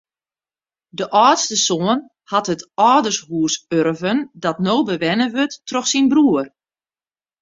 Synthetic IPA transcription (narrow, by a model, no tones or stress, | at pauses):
dəʔɔːtstəsoən | hatɦətɔːdərshuəsøɾvəndɔtnoːbəʋɛnəʋøtːrɔxsinbruər